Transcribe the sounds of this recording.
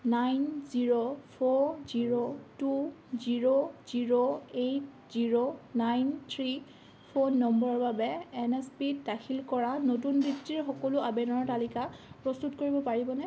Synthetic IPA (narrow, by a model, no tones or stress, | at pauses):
najnziɹopʰoɹziɹotuziɹoziɹoejt̚ | ziɹonajntʰɹi | pʰonːɔmbɔɹbabɛɛnɛspitdaxʰilkɔɹanotunbɹitːiɹxɔkɔlʊabɛnɔɹtalikapɹɔstutkoɹibɔpaɹibɔnɛ